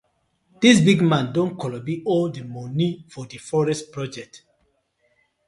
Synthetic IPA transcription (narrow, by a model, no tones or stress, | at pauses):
d̥isbiɡmãndõnkɔlɔbiʔɔldəmɔnifɔdəfɔɹɛstpɹɔd͡ʒɛk̚t